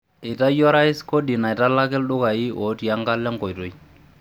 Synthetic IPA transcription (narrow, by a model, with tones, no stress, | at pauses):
ɪ˨ta˦jɔ˦ɾa˦ɪ˦sko˦di˨na˨ɪ˨ta˦la˦kɪ˦lɗʊ˦ka˨i˦ɔ˨˦ti˨a˦ŋɡa˦lːɛ˦ŋkɔ˨jto˨j